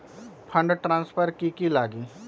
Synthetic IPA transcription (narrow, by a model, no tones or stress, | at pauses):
pʰə̃ɳɖʈɾãːnspʰəɾkikilaːɡiː